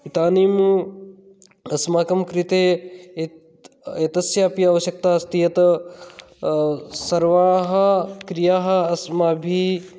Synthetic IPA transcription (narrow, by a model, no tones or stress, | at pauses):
it̪aːniːmu | ɐsmaːkɐmkɾit̪eː | et̪ɐsjaːpjɐɐːʋɐʃjɐk̚t̪aːɐst̪ijɐt̪ | sɐɾʋaɭɦɐ̆kɾijaːɦɐ̆ɐsmaːbʱi